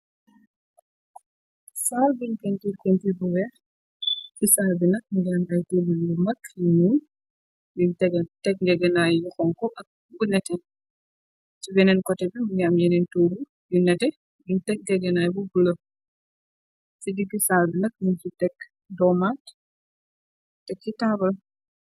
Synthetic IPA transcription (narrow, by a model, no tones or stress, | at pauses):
saːlbiɲkentikentibuwɛ | isaːlbinɐk̚ɡɛnajtebilumɐkjinu | bintɛɡtɛk̚ŋɡɛɡɐnajːuxɔŋkɔʔɐk̚ | bunɛtɛn | t͡ʃibɛnɛnkɔtɛbimuŋɡamjɛnintoːbu | junɐtɛ | biŋtɛk̚ɡɛɡɐnajbubulɐ | sidiɡisalbinɐk̚nint͡ʃitɛkː | dɔmat | tɛkːitaːbɐl